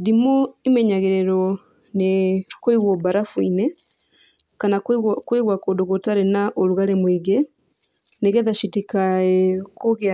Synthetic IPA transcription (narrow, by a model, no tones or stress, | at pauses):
dimɔemɛɲaɣeɾɛɾɔ | nekoiɣwɔbaɾafwine | kanakweɣwakodoɣotaɾenaʔoɾuɣaɾemweɡe | neɣɛðaʃitikaɛkoɣea